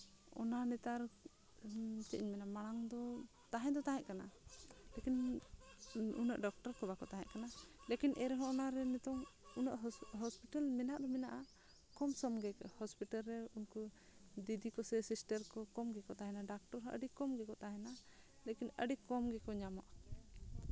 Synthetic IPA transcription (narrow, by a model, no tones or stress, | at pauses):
ɔ̰nanɛt̪aɾ | t͡ʃ̪ɛʔɲmɛnamaɽ̃aŋd̪ɔ | t̪aɦɛ̃d̪ɔt̪aɦɛʔ̚kanalekin | ṵna̰ʔɖɔk̚ʈɔɾkɔbakɔt̪aɦɛ̰ʔ̚kanalekinʔɛɾɛɦɔ̃ɔnaɾɛnɛt̪ɔŋunaʔɦɔspiʈalmɛnaʔd̪ɔmɛnaʔa | kɔmsɔmɡɛkhɔspiʈalːɛunku | d̪id̪ikɔsɛsisʈəɾkɔkɔmɡɛkɔt̪aɦɛnaɖak̚ʈɔɾɦɔʔə̰ɖikɔmɡɛkɔt̪aɦɛ̃na | lekinə̰ɖikɔmɡɛkɔɲamaʔ